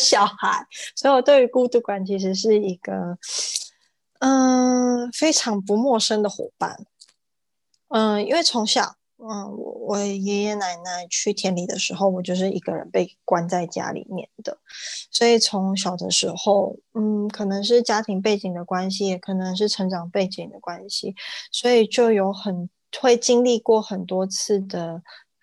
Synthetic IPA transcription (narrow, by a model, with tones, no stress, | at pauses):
ɕjɑ˨˩ʊxa˧˥˦ɪswɔ˧˥i˨wɔ˨˩t̪we˥˩ɪy˧˥ku˥˧t̪u˥˩kwa˨˩nt͡ɕʰi˧˥ʂ̬ɻ̩˧˥ʂ̬ɻ̩˥˩i˧˥ɡ̥ə˧ | ə˥˧˩ | fe˥ɪʈ͡ʂʰɑ˧˥ŋpu˧˥mwɔ˥˩ʂə˥ŋd̪ə˨xwɔ̰˨˩pa̰˥˩n | ə˧i˥nwe˥˩ɪt͡sʰʊ˧˥ŋɕjɑ˨˩ʊ | ə˧wɔ̰˨˧˩wɔ˧˩˨jɛ˧˥jɛ˥na˧˥ɪna˧˥ɪt͡ɕʰy˥˩t̪ʰjɛ˧˥nli˨˩d̪ə˦ʂɻ̩˧˥xo˥˩ʊwɔ˨˩t͡ɕjo˥˧ʊʂ̬ɻ̩˥˩ʔi˧˥ɡə˧ɻə̰˧˦npe˥˩ɪkwa˥nt͡sa˥˩ɪt͡ɕja̰˥lḭ˨˩mjɛ̰˥˩nd̪ə˩swɔ˧˥i˨˩t͡sʰʊ˧˥ŋɕ̬jɑ˨˩ʊd̪ə̰˧˦ʂɻ̩˧˥xo˥˩ʊn̩˥˩kʰɤ˨˩nɤ˧˥ŋʂ̬ɻ̩˥˩t͡ɕja˥t̪ʰi˧˥ŋp̬e˥˩ɪt͡ɕi˨˩ŋd̪ə˦kwa˥nɕ̬i˧jɛ˨˩kʰɤ˨˩nɤ˧˥ŋʂ̬ɻ̩˥˩ʈ͡ʂʰɤ˧˥ŋʈ͡ʂɑ˨˩ŋpe˥˩ɪt͡ɕi˨˩ŋd̪ə˦kwa˥nɕi˨swɔ˧˥i˨˩t͡ɕjo˥˩ʊjo˧˥ʊxə˨˩n | xwe˥˩ɪt͡ɕi˥ŋli˥˧kwɔ˥˩xə˨˩nt̪wɔ˥t͡sʰɹ̩˥˩d̪ə˩